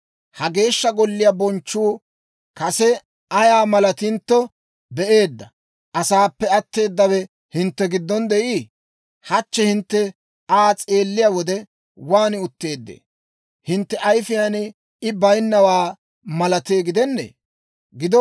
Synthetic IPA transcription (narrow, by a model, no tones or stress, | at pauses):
hɐɡe̞ːʃːɐɡɔlːɪjabɔnt͡ʃːuː | kɐsɛ | ɐjaːmɐlɐt̪ɪnt̪ːɔ | bɛʔe̞ːd̪ːɐ | ʔɐsaːpːɛɐt̪ːe̞ːd̪ːɐwɛ | hɪnt̪ːɛɡɪd̪ːɔnd̪ɛʔiː | hɐt͡ʃːɛhɪnt̪ːɛ | aːt͡sʼe̞ːlːɪjawɔd̪ɛ | waːnɪʊt̪ːe̞ːd̪ːḛː | hɪnt̪ːɛʔɐjfɪjaːn | ɪbɐjnːɐwaː | mɐlɐt̪eːɡɪd̪ɛnːḛː | ɡɪd̪ɔ